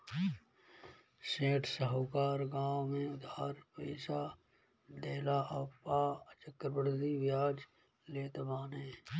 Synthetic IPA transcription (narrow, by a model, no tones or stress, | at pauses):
seːʈʰsəɦoːkaːɾɡaːwmẽʊd̪aːɾpɛːsaː | d̪eːlaːʔəpaːt͡ʃəkɾəbəɾd̪iʋjaːd͡ʒ | leːt̪ebaːnẽː